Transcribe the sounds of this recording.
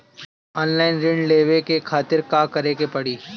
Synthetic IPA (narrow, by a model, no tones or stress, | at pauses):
ɔːnlaːɪnɾɪ̃ɳɖleːʋekekʰaːt̪ɪɾkaːkɐɾeːkepɐɽiː